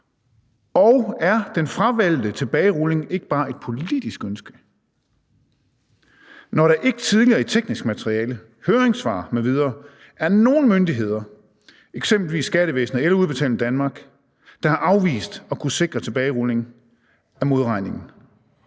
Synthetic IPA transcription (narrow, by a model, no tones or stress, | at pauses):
ɒʊæɐd̥enfʁɑʋæl̰d̥ət͡sʰe̝b̥ɛːɪʁɔle̝ŋe̝ɡ̥əb̥ɑ̈ːe̝d̥̚pʰo̝lid̥isɡ̥ønsɡ̥ə | nɒɾɑ̈ʔe̝ɡ̥ət͡sʰið̞ˠliɐːet͡sʰeɡ̥nisɡ̥mæt͡sʰʁiɛːlə | høːɐʁeŋsʋɑ̰̈meʋið̞ˠɐː | æɐno̝ːn̩mønd̥iɦe̝ð̞̰ˠɐ | eɡ̥semb̥l̩ʋḭːsːɡ̥æɾəʋḛːsn̩ð̩ˠelɐuðˠb̥e̝t͡sʰɛ̰ːln̩d̥ænmɑ̈ːɡ̥ | d̥ɑ̈hɑ̈ʔɑ̈ʊʋḭːsd̥ɒ̽kʰuse̝ɡ̥ʁɐt͡sʰe̝b̥ɛːɪʁɔle̝ŋ | æmo̝ð̞ˠʁɑ̈ɪ̰ne̝ŋn̩